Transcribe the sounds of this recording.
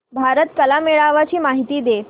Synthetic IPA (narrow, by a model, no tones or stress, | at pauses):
bʱaɾət̪kəlameɭaʋat͡ɕiːmaɦit̪iːd̪e